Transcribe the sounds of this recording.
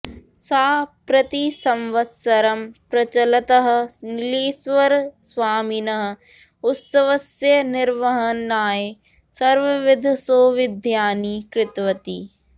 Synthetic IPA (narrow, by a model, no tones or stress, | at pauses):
saːpɾɐt̪isɐ̃mʋɐt̪sɐɾɐmpɾɐt͡ʃɐlɐt̪ɐɦ̆nɪliːsʋɐɾsʋaːminɐɦ̆ | ʊt̪sɐʋɐsenɪɾʋɐɦɐnaːe | sɐɾʋɐʋɪd̪ʱsoːʋɪd̪ʱjaːnikɾɪt̪ʋɐt̪iː